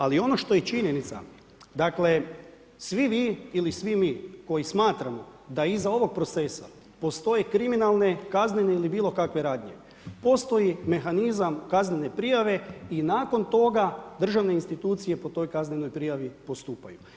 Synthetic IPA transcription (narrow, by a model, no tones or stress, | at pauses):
alio̞no̞ʃt̪o̞jet͡ʃiɲe̞nit̪sa̰ | d̪akle̞ | sʋimiːilisʋimiːko̞jismaːt̪ɾamo̞d̪aizao̞ʋo̞ɡ̚pɾo̞t̪se̞sa̰ | po̞st̪o̞je̞kɾiminalˠne̞kazneneilibiːlˠo̞kakʋe̞ɾaːd̪ɲḛ | po̞st̪o̞jime̞xanizamkaznene̞pɾijaʋe̞inaːko̞nt̪o̞ɡad̪r̩ʒaʋne̞inst̪it̪uːt̪sije̞po̞t̪o̞jkazneno̞jpɾijaʋipo̞st̪uːpaju